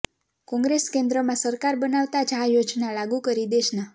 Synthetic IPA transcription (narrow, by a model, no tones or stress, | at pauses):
kɔ̃ŋɡɾeskẽnd̪ɾəmãsəɾkaɾbənaʋt̪ad͡ʒajod͡ʒnalaɡũkəɾid̪eʃna